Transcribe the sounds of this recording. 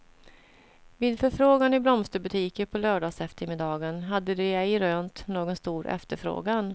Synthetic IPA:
vɪːd̪fœɾfɾoːɡanɪblɔmst̪əbɵt̪ʰiːkəɾpʰɔlœːɖɑːɡsɛft̪ʰəɾmɪd̪ɑːɡənɦad̪ːəd̪ɛɛjɾøːnt̪noːɡɔnst̪uːɾʔɛ̰ft̪əɾfɾo̰ːɡan

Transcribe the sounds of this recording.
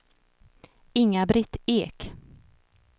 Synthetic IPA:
ɪŋːabɾɪt̪ːeːk

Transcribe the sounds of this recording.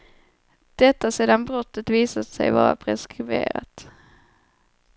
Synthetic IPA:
d̪̥ɛt̪ːaseːd̪anbɾɔt̪ːət̪viːsad̪sɛ̰jvɑːɾa̰pʰɾɛskɾɪvḛːɾa̰t̪

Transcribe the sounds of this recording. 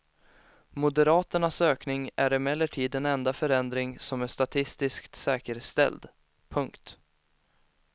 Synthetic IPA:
mʊd̪əɾɑːt̪əɳasøːknɪŋæɾɪmɛlːəʈʰiːd̪ɛnɛnd̪afœɾɛnd̪ɾɪŋsɔmæʂt̪at̪ʰɪst̪ɪskt̪sɛːkəɾst̪ɛ̰ld̪ | pʰɵŋkt̪

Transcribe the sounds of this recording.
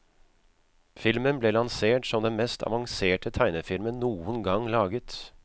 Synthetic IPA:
fɪlmənbleːlɑnseːʈsɔmd̪ɛnmɛst̪ʰɑ̰ʋɑŋseːʈət̪ʰæɪnəfɪlmənnuːənɡɑŋlɑːɡət̪

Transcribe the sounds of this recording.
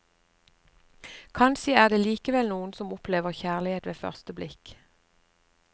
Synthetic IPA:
kʰɑnʃiæːʁd̪eːliːkəʋɛlnuːən̩sɔmʊpleːʋəʁçæːʁlɪheːt̪ʋeːfœ̰ʁst̪əblɪk

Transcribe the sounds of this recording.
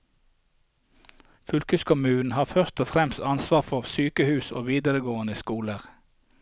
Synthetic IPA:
fʏlkʉskʰʊmʉːn̩hɑːfœʁt̪ɔːfʁɛmst̪ɑnsʋɑːʁfɔʁsyːkəhʉːso̰ːʋiːd̪əʁəɡoːənəskuːləʁ

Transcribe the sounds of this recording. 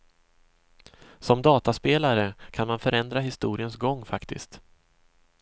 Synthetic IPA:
sɔmd̪ɑːt̪aspeːlaɾəkʰanmanfœɾɛnd̪ɾaɦɪst̪uːɾɪənsɡɔŋːfakt̪ɪ̰st̪

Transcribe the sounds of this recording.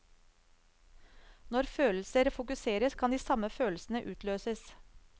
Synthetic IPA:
nɔɾføːll̩səɾfʊkʉseːɾəskʰɑnd̪iːsɑməføːlsn̩əʔʉːt̪ʰløːsəs

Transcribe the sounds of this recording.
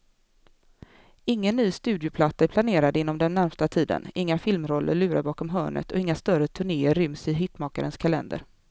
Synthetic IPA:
ɪŋːənːyːst̪ʉ̟ːd̪jʊpʰlat̪ːaæɾpʰlaneːɾad̪əɪnːɔmd̪ɛnːæɾmst̪at̪ʰiːd̪ə̰nɪŋːafɪlmɾɔlːə̰ɾɭʉ̟ːɾaɾbɑːkɔmɦœːɳə̰t̪ʰɔ̰ɪŋːast̪œɾət̪ʰɵɳeːəɾʏmsɪɦɪt̪mɑːkaɾənskʰalɛ̰nd̪ə̰ɾ

